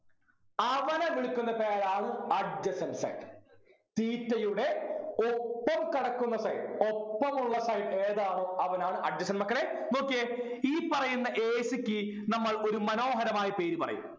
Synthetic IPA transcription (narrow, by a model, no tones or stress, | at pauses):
ɐʋɐnɐʋiɭukʲːunːɐpeːɻaːɳɨɐɖd͡ʑɐsɐnsɐ̰jʈ | t̪iːtːɐjuɽe̞opːɐmkɐɽɐkːunːɐsɐjʈopːɐmuɭːɐsɐjʈeːðaːɳo̞ːɐʋɐnaːɳɨʔɐɖd͡ʑɐɕɐnmɐkːɐɭenoːkːie | iːpɐrɐjunːɐʔeːsikʲːi | nɐmːɐɭo̞ɾumɐno̞ːɦɐɾɐmaːjɐpe̞ːɾupɐrɐjṵm